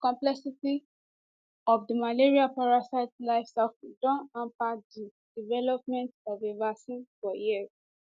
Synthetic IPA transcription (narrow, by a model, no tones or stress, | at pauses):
kɔ̃mplɛsiti | ɔfdimaleɹiapaɹasaɪtlaɪfsɛfdɔ̃nãmpadi | divɛlɔp̚mɛ̃ntavevasĩnfɔjiz